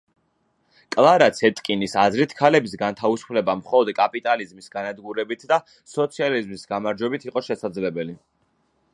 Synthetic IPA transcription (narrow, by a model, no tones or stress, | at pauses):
kʼlˠaɾat̪sʰɛt̪ʼkʼinisazɾit̪ʰkʰalɛbis̬ɡant̪ʰavisu̥pʰlɛbamχɔlˠɔd̪kʼapʼit̪ʼalizmisɡanad̪ɡuɾɛbit̪ʰd̪a | sɔt̪sʰializmisɡamaɾd͡ʒwɛbit̪ʰiqʼɔʃɛsad̪zlɛbɛli